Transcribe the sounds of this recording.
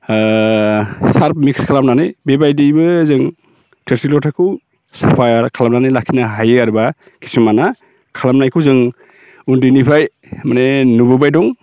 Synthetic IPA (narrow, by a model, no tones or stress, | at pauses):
saɾp̚mikskʰalamnanɯjbebajdibɯzɯŋ | tʰeɾsilɔtʰakʰɯw | sapʰajɾkʰalamnanɯjlakʰinaɦajɯaɾba | kʰi̥simana | kʰalamnajkʰuwzɯŋ | undinipʰɾaj | manenubɯbajdɔŋ